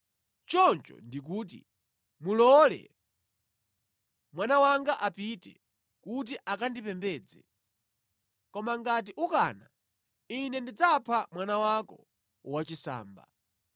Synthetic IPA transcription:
t͡ʃɔnt͡ʃɔ̰ndik̬uːt̬ḭ | mulɔlɛ̰ | mwanawaŋɡaʔapitɛ̰ | kut̬iʔakandipɛmbɛːd͡zɛ̰ | kɔmaŋɡat̬iʔuka̰ːna | inɛndid͡zapʰamwanawakɔ | wat͡ʃisa̰ːmba̰

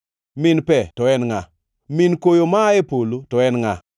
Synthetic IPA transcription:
mɪnpɛtɔɛnŋa | minkojomaɛpolotɔɛnŋa

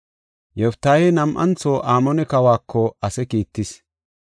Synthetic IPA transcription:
jɔft̪ːaːjɛnɐmʔɐ̰nt͡soːʔaːmɔnɛkɐwaːkːɔɐsɛkiːt̪ːɪs

